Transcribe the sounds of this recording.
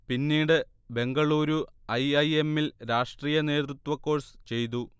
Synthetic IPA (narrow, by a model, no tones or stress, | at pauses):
pinːiːɽɨ | be̞ŋɡɐɭuːɾuɐjɐje̞mːilɾaːʂʈriːjɐne̞ːt̪rut̪ʋɐkːo̞ːrsɨ̥t͡ɕe̞jt̪̬u